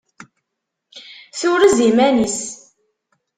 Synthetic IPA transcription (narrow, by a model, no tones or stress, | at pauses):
θʊɾəzimænis